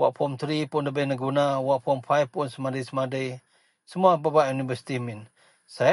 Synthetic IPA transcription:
waʔpɔmt̪ɾipunləbəjnəɡunawaʔpɔmfajpʊnsəmadəjsəmadəj | səmuababaʔjunibəsi̥t̪imin | sa

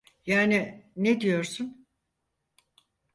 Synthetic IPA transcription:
jaːnined̪ijo̞ɾsun

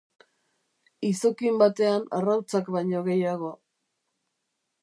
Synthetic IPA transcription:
iso̞kimbat̪e̞ana̰rawt͡sakbajɲo̞ɣe̞jaɣ̞o̞a

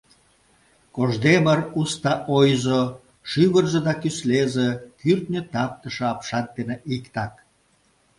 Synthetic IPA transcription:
koʒd̪emərust̪ɑʔojzo | ʃyβərzed̪ɑkyslezekyrt̪nʲət̪ɑp̚t̪əʃə̆ɑpʃɑnt̪eneʔikt̪ɑk

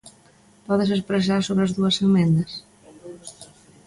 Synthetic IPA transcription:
pɔðɪs̬espɾes̬aɾsoβɾɐzðuɐsemɛ̃nd̪ɐs

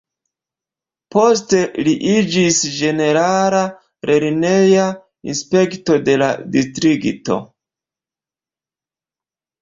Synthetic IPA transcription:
po̞ste̞liʔid͡ʒisd͡ʒe̞ne̞ɾala | ɾʔe̞ɾne̞ja | ḭnspe̞kto̞de̞la̰distɾikto̞̰

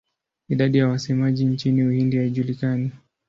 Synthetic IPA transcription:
iɗaɗijawasɛmaʄint͡ʃiniuhindihaiʄulikani

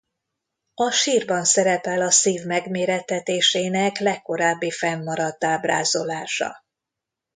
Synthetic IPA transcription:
ɒʃiːrbɒnsɛɾɛpɛlɒsiːvmɛɡmeːɾɛt̪ːɛt̪eːʃeːnɛklɛkːo̞ɾaːbːifɛmːɒɾɒt̪ːaːbra̰ːzo̞laːʃɒ̰

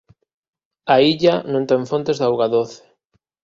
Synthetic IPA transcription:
aiʎanõnt̪eɱfont̪ezðawɣaðoθe̥

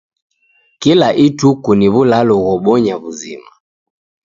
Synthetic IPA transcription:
kilaʔitukuniβulalɔɣɔɓɔɲaβuzḭma

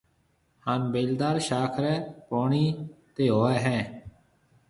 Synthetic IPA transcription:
haːnbeːld̪aːɾʃaːkʰɾɛːpoːɳiːt̪eːɦoːɛːɦɛ̃ː

